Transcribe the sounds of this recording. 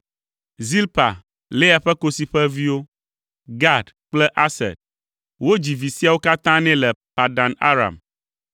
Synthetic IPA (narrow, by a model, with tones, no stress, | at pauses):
zi˦lpa̰˨ | le˦a˨ɸɛ˦ko˦si˦ɸɛ˦vi˦wo˦ | ɡa˦˨d | k͡plɛ˦ʔa˦sɛ̰˨d̚ | wo˦d͡ʑi˨vi˨si˦a˨wo˦ka˦t̪ã˦nɛ̃˦lɛ˨pa˨ɖã˨na̰˦ɾa̰˨m